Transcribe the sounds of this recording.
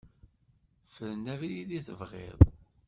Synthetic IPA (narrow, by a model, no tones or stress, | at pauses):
fəɾnævliðiθəvʁḛðˤ